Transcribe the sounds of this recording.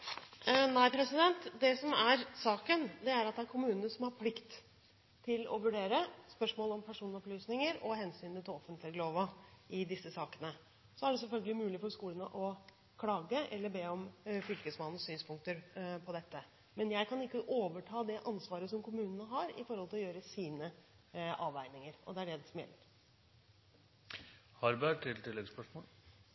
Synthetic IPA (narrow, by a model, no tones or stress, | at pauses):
næɪpʰɾɛsɪd̪ɛnt̪d̪ɛsɔmæɾsɑːkənd̪ɛæɾɑt̪̚d̪ɛæɾkʰʊmʉːnənəsɔmhɑɾpʰlɪkt̪ʰː | ɪlɔ̰ʋʉɖeːɾəspœʂmoːlɔmpʰæʂuːnɔplyːsnɪŋəɾɔɦɛnsyːnət̪ʰɪlɔfənt̪ʰlɪloːʋəɪd̪ɪsːəsɑːkənə | sɔæɖɛs̬ɛlfœlɡəlɪmʉːlɪfɔɾskuːlənəʔɔ | kʰlɑːɡəʔɛlːəɾbeːɔmfʏlkəsmɑnn̩syːnspʰʊŋkt̪əɾpʰɔd̪ɛt̪ːə | mɛnjæɪkʰɑnɪkːəʔoːʋəʈʰɑːd̪ɛʔɑnsʋɑːɾəsɔmkʰʊmʉːnənəɦɑɾɪ̰fɔɾhɔlt̪ʰɪlɔjøːɾəsiːnə | ʔɑːʋæɪnɪŋəɾɔ̰d̪ɛæɖɛsɔmjɛ̰lːəɾ | hɑɾbæʈʰɪlt̪ʰɪlːɛɡspœʂmoːl